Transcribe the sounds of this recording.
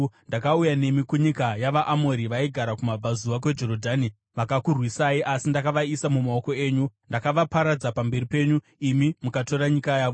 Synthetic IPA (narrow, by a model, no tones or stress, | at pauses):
ndakaujane̞mikuɲikajaʋaʔamo̞ɾiʋaiɡʱaɾakumab͡vazuʋak̬we̞d͡ʒo̞ɾodʱani | ʋakakurwisaiʔasindakaʋaisamumao̞ko̞e̞ːɲundakaʋapaɾad͡zapambe̞ɾipe̞ːɲu | imimukato̞ɾaɲikajaːʋo